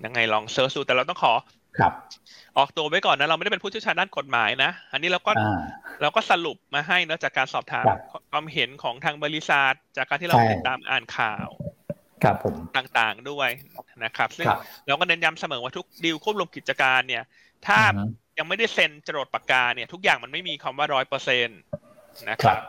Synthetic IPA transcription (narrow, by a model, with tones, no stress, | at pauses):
ja˧ŋːa˧jlɔː˧ŋsɤː˦˥uː˧˩t̪ɛː˨˩ɾa˧wt̪ɔ˥˩ŋkʰɔː˩˦ | kʰp̚ʔɔː˨˩k̚t̪u˧ɐwa˦˥jkɔː˨˩nːa˦˥ɾa˧wm˥˩˥pe˧pʰuː˥˩t͡ɕʰi˥˩t͡ɕʰaː˧ndaː˥˩ko˨˩t̪̚maː˩˦jna˦˥ʔa˧nːiː˦˥ɾaː˧wkɔː˥˩a˧ɾɛː˧wkɔː˥˩sa˧lu˨˩p̚maː˧ɦa˥˩jnɯ˦˥t͡ɕaː˨˩kːaː˧nsɔː˨˩p̚t̪ʰaː˨˦mʰ˧kʰwaː˧mɦe˩˦nkʰɔː˩˦ŋt̪ʰaː˧ŋbɔː˧li˦˥saː˨˩t̪̚t͡ɕaː˨˩kːa˧nt̪ʰiː˥˧˥ti˨˩t̪ːaː˧mʔa̰ː˨˩nkʰa̰ː˨˩w | kʰa˧pʰːo˩˦mt̪aː˨˩ŋt̪aː˨˩ŋdu˥˩əjna˦˥kʰa˦˥p̚sɯ˥˩˧lɛ˦˥wkɔː˥˩ne˧nja˧msa˧mɤː˩˦waː˥˩t̪ʰu˦˥k̚di˧wkʰu˥˩p̚lu˧mki˨˩t̪̚t͡ɕa˧kaː˧nːi˥˩ɐ | t̪ʰaː˥˩ja˧ŋma˥˩jda˥˩jse˧nt͡ɕa˧ɾo˨˩t̪̚pa˧˩kaː˧nni˥˩ɐt̪ʰu˦˥k̚jaː˨˩ŋma˧nma˥˩jmiː˧kʰwaː˧mwaː˥˩ɾɔː˦˥jpɤː˧se˧n | na˦˥kʰa˦˥p̚